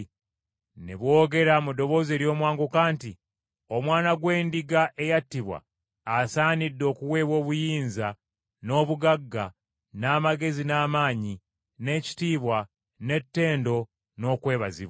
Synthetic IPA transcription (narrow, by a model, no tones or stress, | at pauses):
nḛβwo̞ːɡe̞ɾamudo̞βo̞ːze̞ːɾjo̞ːmwaːŋɡokaːnti | o̞mwaːnaɡwe̞ːndiɡaʔe̞jatːiβwa̰ː | saːnidːo̞ːkuwe̞ːβwo̞ːβujiːnza | no̞ːβuɡaɡːa | naːmaɡe̞zinaːmaːɲi | ne̞ci̥tiːβwa | ne̞tːe̞ːndo̞ | no̞ːkwe̞ːβazḭβw